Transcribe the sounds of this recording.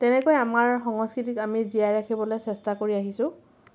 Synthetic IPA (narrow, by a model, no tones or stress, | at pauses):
tɛnɛkojamaɹxɔŋɔskɹit̬ikamizijajɹakʰibɔlojsɛstakoɹiaɦisʊ̃